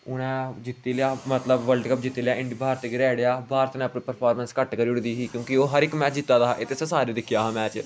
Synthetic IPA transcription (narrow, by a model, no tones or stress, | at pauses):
ʊnɛ̃ːd͡ʒɪt̪ːeːlɪaːmət̪ləbʋəlɖkəp̚d͡ʒɪt̪ːiːlɪjaːʔɪɳɖibʱaːɾt̪ːɡɪɾɛːɽejaːbʱaːɾt̪nɛ̃əpnĩːpəɾpʰaːɾmənskəʈkəɾiːʊɽd̪iːɦiːkjõːkɪoːɦəɾɪkmɛːt͡ʃd͡ʒɪt̪ːaːd̪aːʔɪt̪esẽsaːɾeːd̪ɪkʰːɪjaːɦãːmɛːt͡ʃ